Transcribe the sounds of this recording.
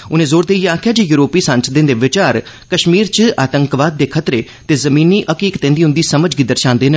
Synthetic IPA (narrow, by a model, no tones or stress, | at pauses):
ʊnẽːzoːɾd̪eːiaːkʰɪjaːd͡ʒeːjuːɾoːpiːsə̃nsd̪ɪ̃nd̪eːʋɪt͡ʃaːɾ | kəʃmiːɾt͡ʃaːt̪əŋkʋaːd̪̚ːeːkʰət̪ɾeː | t̪eːzəmĩːniːʔəkiːkt̪ẽːnd̪iːʊ̃nd̪iːsəməd͡ʒɡiːd̪əɾʃãːnd̪eːnə